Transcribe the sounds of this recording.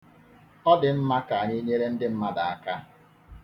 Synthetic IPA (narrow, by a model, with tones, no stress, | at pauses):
ɔ˦dɪ˨m̩˦ma˦ka˨a˨ɲɪ˦ɲe˦ɾe˦n̩˦dɪ˦m̩˦ma˦da˨a˨ka˦